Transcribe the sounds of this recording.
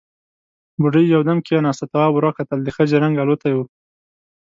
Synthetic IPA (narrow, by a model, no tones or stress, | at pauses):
buɖəjːawd̪amkijanɑsat̪aabʊɾɑkat̪ald̪əxəd͡ʒaɾaŋɡalot̪ajwu